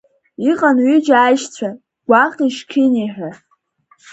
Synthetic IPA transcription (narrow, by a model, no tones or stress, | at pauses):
iqʼanɥid͡ʒajʃt͡sʷʰa | ɡ̥ʷaχiʃkʲʰɪniħʷᶣa